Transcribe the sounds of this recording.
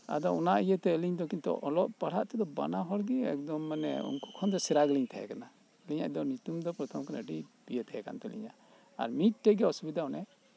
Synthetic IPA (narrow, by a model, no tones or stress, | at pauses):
a̰d̪ɔunaʔijət̪ɛəliɲd̪ɔkint̪ɔ̰ʔɔlɔʔpaɽ̤aʔt̪ɛd̪ɔba̰naɦɔɾɡiɛ̰k̚d̪ɔmːanɛ̰ṵŋku̥kʰɔnd̪ɔsɛɾaɡliɲt̪ʰɛɦɛ̰kana | liɲa̰ʔd̪ɔnut̪umd̪ɔpɾɔt̪ʰɔmkana̰ɖibijət̪ɛɦɛka̰nt̪ɛlḭɲa | a̰ɾmit̪̚ʈɛɡɛɔsubid̪aɔnɛ